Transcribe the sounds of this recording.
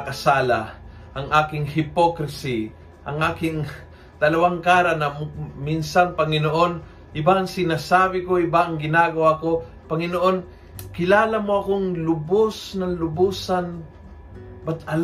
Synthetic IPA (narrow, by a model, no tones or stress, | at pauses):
kɐsaːla | ʔɐŋʔaːkɪŋhɪpokɾɪsi | ʔɐŋʔaːkɪŋ | d̪ɐlɐwaŋkaːɾɐnɐmminsɐŋpɐŋɪnoʔo̞n | ʔɪbaɐŋsɪnasaːbɪko̞ʔɪbaʔɐŋɡɪnaːɡɐwako̞ | pɐŋɪnoʔo̞n | kɪlaːlɐmoɐkoŋlʊbosnɐŋlʊbuːsan | bat̪ɐl